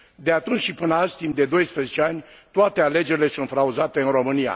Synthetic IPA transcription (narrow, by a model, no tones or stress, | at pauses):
d̪eat̪unt͡ʃʃipɨnalst̪imd̪e̞d̪o̞jspɾezet͡ʃeanʲt̪oat̪e̞ale̞d͡ʒe̞ɾʲile̞sunt̪fɾauzat̪e̞ɨnɾo̞mɨnija̰